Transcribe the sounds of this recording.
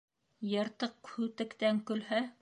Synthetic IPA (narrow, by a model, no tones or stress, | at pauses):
jɤ̆ɾt̪ɤq̚hʉt̪ɘ̆kt̪æŋkɵ̆lɦæ